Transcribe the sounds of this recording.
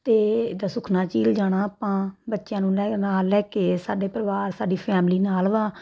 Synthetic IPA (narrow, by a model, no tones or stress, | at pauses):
t̪eːd̪aːsʊkʰnaːt͡ʃiːld͡ʒaːɽ̃aːpãːbətːʃjãːnũːlɛːnaːlːɛːkeːsaːɖeːpɾəʋaːɾsaːɖiːpʰɛːmliːnaːlʋaː